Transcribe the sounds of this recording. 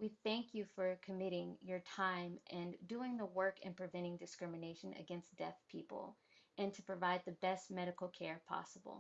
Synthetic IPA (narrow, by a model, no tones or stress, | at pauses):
wiθæ̃ŋkʰjɨfə˞kʰɨmɪɾɪ̃ŋjə˞tʰãɪ̃mʔɨ̃nduɪ̃ŋðəwɜ˞kɨ̰̃npʰɹ̥ɨvɛ̃ɾ̃ɪ̃ŋdɨskɹɪ̃mɨneɪʃɨ̃nɨ̰ɡɛ̃nsd̥ɛθpʰipl̩ˠ | ʔɨ̃ntʰɨpʰɹ̥ɨvaɪd̪̚ðɨbɛst̚mɛɾɨkl̩ˠkʰɛɹpʰɑ̰səbl̩ˠ